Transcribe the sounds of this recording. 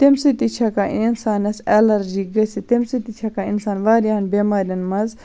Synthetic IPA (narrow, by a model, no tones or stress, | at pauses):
t̪emsit̪it͡ʃʰɐkaʔinsaːnɐsɛlɐɾd͡ʒik̚ɡɐsit̪emsit̪it͡ʃʰɐkainsaːnʋaːɾjaɐnbeːmaːɾjɐnmɐz